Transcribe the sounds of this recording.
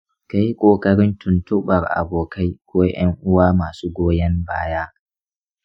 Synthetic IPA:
ka˦ji˦kʷʼoː˨kʼɐ˦ɽɪ˦ntʊ˨ntʊ˦ɓɐ˨rʔa̰˨boː˨ka˦jkʷoː˦j̰ɐ˦ŋʔʊ˦waː˦maː˨suː˦ɡʷoː˦jɐ˦mbaː˦jaː˦

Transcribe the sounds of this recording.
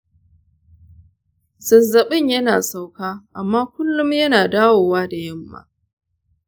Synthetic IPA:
zɐ˨nzɐ˨ɓɪ˦ɲjɐ˦naː˨sa˨wkaː˦ʔa˨mːaː˦kʷʊ˦lːʊ˦mjɐ˦naː˨daː˦woː˨waː˦da˨jɐ˦mːa̰ː˦

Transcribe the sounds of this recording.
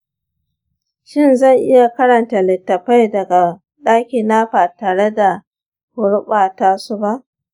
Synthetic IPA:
ʃɪ˦˨nzɐ˦˨ŋʔɪ˦ja˨kɐ˦ɾɐ˨nta˨lɪ˨tːɐ˨ɸa˦jdɐ˨ɡa˨ | ɗaː˦kʲiː˨na˦ɸaː˨taː˨ɽe˦da˨ | hʊ˨ɽʊ˦ɓaː˨taː˦su˦ba˦ʔ

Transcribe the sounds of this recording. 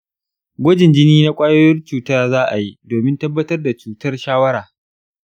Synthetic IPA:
ɡʷɐ˦d͡ʒɪ˨nd͡ʒɪ˦niː˦na˦kʷʼaː˦joː˦jɪ˦nt͡ʃuː˨ta˦zaː˦ʔa˨ji˦doː˨mɪ˦ntɐ˦bːɐ˦tɐ˦rda˨t͡ʃuː˨tɐ˦rʃaː˦wɐ˦ɽaː˨

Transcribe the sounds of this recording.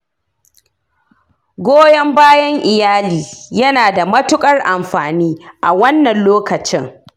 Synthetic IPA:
ɡʷoː˦jɐ˦mbaː˦jɐ˦ŋʔɪ˨jaː˦liː˨jɐ˦naː˨da˨mɐ˦tʊ˦kʼɐ˦rʔa˨mɸaː˨niː˦ʔa̰˨wɐ˦nːɐ˨nloː˦kɐ˨t͡ʃɪ˦ŋ

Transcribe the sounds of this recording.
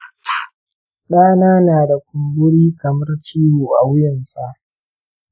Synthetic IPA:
ɗaː˦naː˦naː˨da˨kʷʊ˨mbʊ˦ɽiː˦kɐ˨mɐ˦rt͡ʃiː˦woː˨ʔa˨wʊ˦jɪ˨nsa˨ʔ

